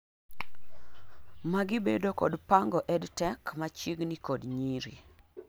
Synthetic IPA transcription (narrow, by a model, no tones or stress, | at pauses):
maɡibedokɔ̰dpaŋɡɔʔɛdtɛkmat͡ʃiɡnikodɲiɾḭ